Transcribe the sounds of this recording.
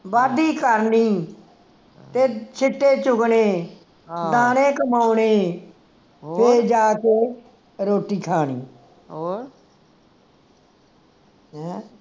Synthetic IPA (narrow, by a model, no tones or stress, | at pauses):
baːd̪iːkəɾniː | t̪eːt͡ʃʰɪʈːeːt͡ʃʊkɳeː | d̪aːnẽːkəmaːʊneː | pʰeːd͡ʒaːkeː | ɾoːʈiːkʰaːniː